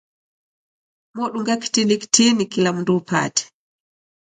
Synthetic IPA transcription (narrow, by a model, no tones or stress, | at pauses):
mɔɗuŋɡaki̥tiliki̥tinikilam̩ndupa̰tɛ̥